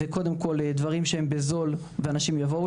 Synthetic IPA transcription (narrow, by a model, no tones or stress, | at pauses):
eko̞d̪e̞mko̞led̪vaʁimʃehembezo̞l | veanaʃimjavou